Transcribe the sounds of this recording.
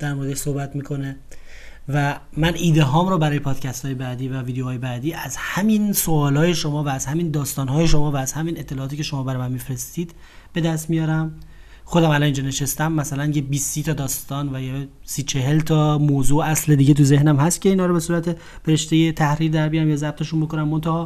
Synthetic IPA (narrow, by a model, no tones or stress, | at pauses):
d̪̥æɾmoɾed̪eʃsohbæt̪miːkʰo̞ne | væmænʔiːd̪eɦɒːmɾɔbæɾɒːjepʰɒːd̪̥cʰæst̪ʰɒːje̞bæd̪iːvæviːd̪eohɒːjebæd̪iːʔæzhæminso̞ɒːlɒːje̞ʃo̞mɒːvæːz̥hæmind̪ɒːst̪ɒːnɦɒːjeʃo̞mɒːvæːz̥hæmine̞t̪ʰːe̞lɒʔːt̪iːcʰe̞ʃo̞mɒːbæɾɒmænmifɾe̞st̪iːd̪̥ | b̥e̞d̪æst̪mijɒːɾæm | xod̪æmælɒnind͡ʒɒːne̞ʃest̪æmːæsælænjebiːsːiːt̪ʰɒd̪ɒːst̪ɒːnvæje | siːt͡ʃʰe̞ɦe̞lt̪ʰɒmoːzuːæsled̪iːɟet̪uze̞hnæmɦæst̪̚cʰeinhɒːɾobe̞suːɾæt̪ʰe̞ | b̥eɾeʃt̪e̞jet̪ʰæhɾiːɾd̪æɾbijæmjɒːzæb̚t̪ʰe̞ʃunbokonæmːo̞nt̪ʰæhɒː